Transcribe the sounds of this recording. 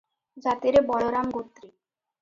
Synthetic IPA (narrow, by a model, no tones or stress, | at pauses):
d͡ʑat̪iɾebɔɭoɾamɡot̪ːɾi